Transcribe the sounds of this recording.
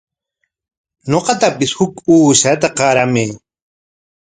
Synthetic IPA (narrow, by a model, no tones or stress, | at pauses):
noqɑt̪apɪshʊkuːʃat̪aqɑɾameː